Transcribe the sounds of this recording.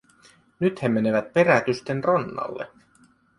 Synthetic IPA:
nyt̪hemːene̞ʋæt̪̚pe̞ɾæt̪yst̪enronːɑ̰lːḛ

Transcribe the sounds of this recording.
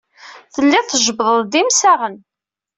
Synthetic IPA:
θəlːɪθəʒəbðˤəðˤd̪imsaʁən

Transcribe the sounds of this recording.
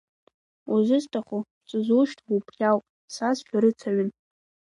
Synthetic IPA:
uzɨstʰʼaχo | t͡sʼɨzuʃtʰʼupʰχʲawpʼ | sazħᶣaɾɨt͡sʰaɥʏn

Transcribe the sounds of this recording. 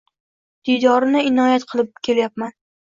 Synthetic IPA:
d̪̥ijd̪ɒɾɪnɪɪnɒjat̪qʰɨlˠɪp̚kʲʰe̞ljap̚man

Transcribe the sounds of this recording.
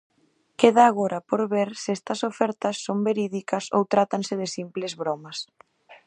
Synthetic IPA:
keðaːɣoɾɐpoɾβeɾsɪɛst̪ɐsofɛɾt̪ɐsːombeɾiðikɐso̰wt̪ɾat̪ɐnsɪðɪsimplɪzβɾɔmɐs

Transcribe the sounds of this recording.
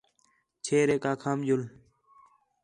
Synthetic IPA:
t͡ɕʰeːɾeːkaːkʰaːmd͡ʒul

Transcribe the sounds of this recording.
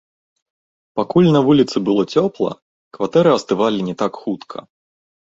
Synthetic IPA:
pakulʲnɐvulʲit̪sɨbɨlˠɔt͡sʲɔplˠɐ̰ | kvat̪ɛɾɨɐst̪ɨvalʲinʲɛt̪akxut̪kʰɐ̰

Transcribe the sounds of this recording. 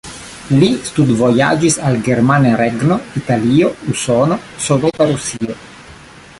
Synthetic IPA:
list̪ud̪voja̰ːd͡ʒisalɡeɾmaneɾeɡnoit̪aliːousonosovet̪aɾusiːo

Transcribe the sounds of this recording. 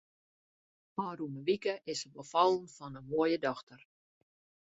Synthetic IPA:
paːruməʋikəʔɪsəbəfɑlˠənfɔnənmoəjədɔxtər

